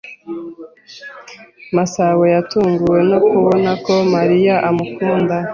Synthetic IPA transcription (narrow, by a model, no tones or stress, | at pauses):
masawejatuːŋɡuwe̞nokuβo̞nako̞maɾijaʔamukuːnda